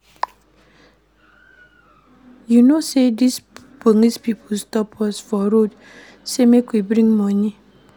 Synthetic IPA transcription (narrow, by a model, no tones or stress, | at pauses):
junosedis | bonispipʰostɔpʰɔsfɔɾod | semekwibɾĩŋmɔni